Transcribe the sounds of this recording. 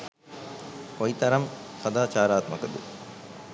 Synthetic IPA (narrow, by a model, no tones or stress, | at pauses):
kojit̪ɐɾɐmsɐd̪aːt͡ʃaːɾaːt̪mɐkɐd̪ɨ